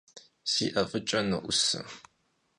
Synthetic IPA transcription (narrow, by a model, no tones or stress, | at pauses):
sḭːʔɐfɨt͡ʃʼɐnɨ̰ʔʷʊ̰sɨ̰